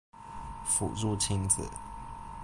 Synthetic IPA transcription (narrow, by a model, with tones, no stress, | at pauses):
fṵ˨˩ɻu˥˧t͡ɕʰi˥nd͡z̩̰˨˦